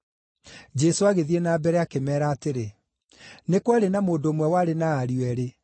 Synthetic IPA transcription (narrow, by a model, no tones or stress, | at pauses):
d͡ʑɛsoaɣeðienaːbɛɾɛakemɛːɾaːteɾe | nekwaɾenamoːndoːmwɛwaɾenaːɾiwɛɾe